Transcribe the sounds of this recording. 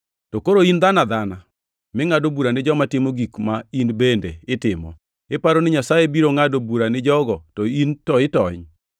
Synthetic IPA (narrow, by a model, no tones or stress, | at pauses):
tokoɾoind̪anad̪ana | mɪŋadobuɾanɪd͡ʒɔmatɪmoɡikmainbendeɪtɪmɔ̰ | ɪpaɾonɪɲasajebiɾoŋadobuɾanɪd͡ʒɔɡɔtɔintɔɪtɔɲ